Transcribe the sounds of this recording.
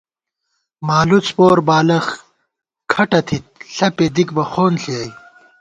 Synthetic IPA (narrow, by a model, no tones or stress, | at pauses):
maːlut͡spoːɾbaːlɐx | kʰɐʈɐt̪ʰit̪̚ɬɐped̪ikbɐxoːnɬiɐj